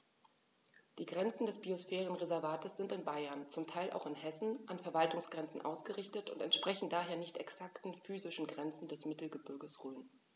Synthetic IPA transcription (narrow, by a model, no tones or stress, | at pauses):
d̥iːɡʁɛnt͡sn̩dɛsb̥iosfɛːʁənʁezɛɐvaːtəsz̥ɪntɪnbaɪɐnt͡sʊmtʰaɪlʔa̰ʊxɪnhɛsn̩ʔanfɛɐvaltʊŋsɡ̥ʁɛnt͡sn̩ʔa̰ʊsɡ̥əʁɪçtətʊ̰ntɛ̰ntʃpʁ̥ɛçn̩daːɦeːɐnɪçtɛksaktn̩fyːzɪʃn̩ɡʁɛnt͡sn̩dɛsmɪtl̩ɡəbʏɐɡəsʁøːn